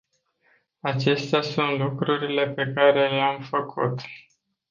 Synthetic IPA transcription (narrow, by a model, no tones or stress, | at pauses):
at͡ʃe̞st̪easunt̪lukɾuɾile̞pe̞kaɾe̞leamfəkʰṵt̪